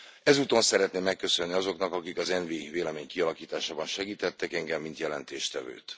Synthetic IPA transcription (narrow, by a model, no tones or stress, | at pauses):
ɛzuːt̪o̞nsɛɾɛt̪neːmːɛkːø̞sø̞nːiɒzo̞knɒkɒkikɒzɛnviveːlɛmeːɲkiɒlɒkiːt̪aːʃaːbɒnʃɛɡiːt̪ɛt̪ːɛkɛŋɡɛmːint̪jɛlɛnt̪eːʃt̪ɛvø̰ːt̪